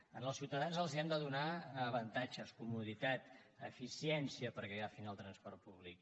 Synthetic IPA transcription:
ə̰nəlˠsiwt̪əðanzəlˠziənd̪əðunaːβənt̪ad͡ʒəskumuðit̪at̪ə̰fisiɛnsiəpəɾɣəɣafinəlˠt̪ɾənspɔrt̪̚puβlik̚

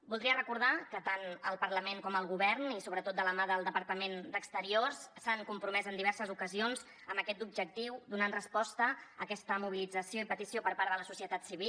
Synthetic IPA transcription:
bulˠd̪ɾiərəkuɾð̞akət̪anəlˠpəɾləmeŋkɔməlˠɣuβɛrnisoβɾət̪ot̪d̪ələmaðəlˠd̪əpəɾt̪əmend̪əkst̪əɾiorssaŋkumpɾumɛzənd̪iβɛɾsəzukəzionz | əməkɛt̪ub̚ʒək̚t̪iwd̪unanrəspɔst̪əːkɛst̪əmuβ̞ilid͡zəsioipət̪isiopəɾpaɾðələsusiət̪at̪siβ̞i

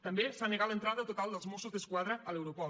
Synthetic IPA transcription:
t̪əmbesaneɣat̪lent̪ɾaðət̪ot̪alˠd̪əlˠzmosuzd̪əskwaðɾəːlewɾopɔ

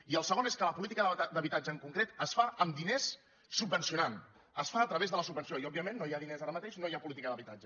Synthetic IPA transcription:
iəlˠsəɣoneskələpulit̪ikəðd̪əβit̪ad͡ʒəːŋkuŋkɾet̪əsfaəmd̪inesː | ubənsiunan | əsfaət̪ɾəβezðələsubənsioiɔbiəmenːojaðinezaɾəmət̪eʃnojapulit̪ikəðəβit̪ad͡ʒə

